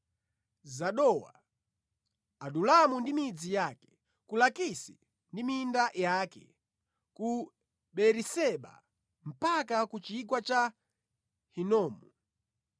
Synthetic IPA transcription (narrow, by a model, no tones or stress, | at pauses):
zaɗɔwa̰ | aɗulamundimid͡zijakɛ̥ | kulakisi | ndimindajakɛ̰ | ku | ɓɛɾisɛɓa̰ | m̩pakakut͡ʃik̬wat͡ʃa | hinɔːmu